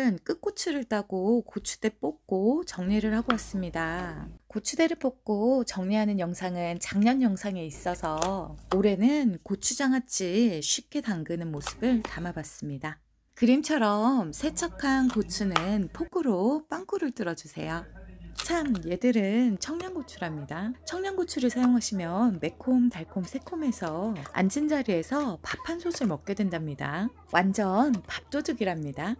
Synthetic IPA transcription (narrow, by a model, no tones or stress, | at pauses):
ɯnk͈ɯk͈ot͡ɕʰɯɾɯɭt͈aɡ̥okot͡ɕʰu̥d̥e̞p͈ok̚k͈ot͡ɕʌŋɲiɾɯɭhaɡoas͈ɯmɲidakot͡ɕʰude̞ɾɯɭp͈ok̚k͈ot͡ɕʌŋɲiɦanɯnjʌŋsʰaŋɯnt͡ɕaŋɲʌnjʌŋsʰaŋe̞is͈ʌsʰʌoɾe̞nɯnkot͡ɕʰud͡ʑaŋɦat͡ɕ͈iɕʰɥip̚k͈ʰe̞taŋɡɯnɯnmosʰɯ̥bɯɭtamabas͈ɯmɲida | kɯɾimt͡ɕʰʌɾʌmsʰe̞t͡ɕʰʌkʰankot͡ɕʰunɯnpʰoɡɯɾop͈aŋk͈ʰuɾɯɭt͈ɯɾʌd͡ʑusʰe̞̰jot͡ɕʰamje̞dɯɾɯnt͡ɕʰʌŋɲaŋɡot͡ɕʰuɾamɲidat͡ɕʰʌŋɲaŋɡot͡ɕʰuɾɯɭsʰajoŋɦaɕʰimjʌnme̞kʰomtaɭkʰomsʰe̞kʰome̞sʰʌa̰nd͡ʑind͡ʑaɾie̞sʰʌpapʰansʰosʰɯɭmʌk̚k͈edwendamɲida̰ | wʔand͡ʑʌnpap̚t͈odɯɡiɾamɲida